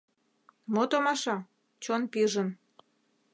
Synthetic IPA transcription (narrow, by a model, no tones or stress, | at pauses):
mot̪omɑʃɑ | t͡ɕonpiʒən